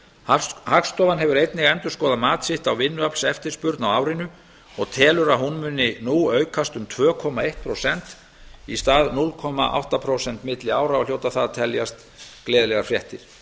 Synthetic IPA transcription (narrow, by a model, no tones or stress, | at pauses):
hakst̪ɔːvanɦɛvʏɾejt̪nɪɣɛnt̪ʏɾ̥skɔːðamaːt̪sɪht̪awvɪnːʏapl̥sɛft̪ɪɾspʏɾt̪nawaːwɾɪnʏ | ɔɣt̪ʰɛːlʏɾaɦunmʏnːɪnuːœːɥkʰast̪ʏmt̪ʰvœːkʰɔmaejht̪̚pʰɾowsɛnt̪ | ist̪aːðnulkʰɔma̰ʔa̰wht̪apʰɾowsɛnt̪mɪt̪lɪaːwɾaawljoːwt̪aθaðt̪ʰɛljast̪ | klɛːðlɛɣaɾfɾjɛht̪ɪɾ̥